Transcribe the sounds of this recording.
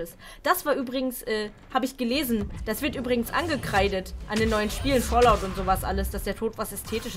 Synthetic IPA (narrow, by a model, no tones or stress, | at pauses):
əs | d̥asv̥aːɐʔyːbʁɪɡŋ̩sʔɛː | haːbəɪçɡ̥əleːzn̩d̥asv̥ɪɐtʔyːbʁɪɡŋ̩sʔa̰nɡəkʁ̥aɪdətʔandeːnːɔʏənʃpiːlənfoːɐlaʊtʊntz̥oːvasʔa̰ləsd̥asd̥eːɐtʰoːtv̥asɛstʰeːtɪʃ